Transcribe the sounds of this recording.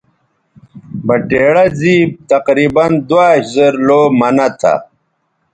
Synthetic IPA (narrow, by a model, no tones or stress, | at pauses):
bɐʈeːɽɐziːb̚t̪ɐqɾiːbɐnd̪waːɕzɐɾloːmɐnɐt̪ʰa̰